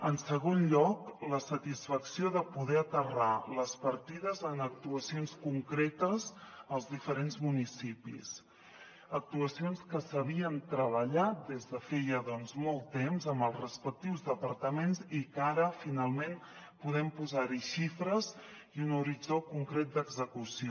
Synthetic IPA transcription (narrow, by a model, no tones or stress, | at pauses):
ənsəɣonʎɔkləsət̪isfəksioðəpuðɛət̪əraləspəɾt̪iðəzənək̚t̪uəsionskuŋkɾet̪əzəlˠzðifəɾenzmunisipḭs | ək̚t̪uəsionskəsəβiənt̪ɾəβəʎat̪̚d̪ezðəfɛjəðɔnzmɔlˠt̪ːemzəmbəlˠzrəspək̚t̪iwzðəpəɾt̪əmenzikaɾəfinalˠmen | puðɛmpuzaɾiʃifɾəz | ijunuɾid͡zokuŋkɾɛt̪̚d̪əɡzəkusio